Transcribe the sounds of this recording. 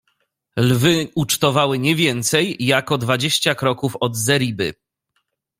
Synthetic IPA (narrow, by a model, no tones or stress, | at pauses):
lvɘut͡ʂt̪ɔvawɘɲɛvʲjɛnt̪sɛjːakɔd̪vad͡ʑeɕt͡ɕakɾɔkufɔd̪zɛɾʲibɘ̰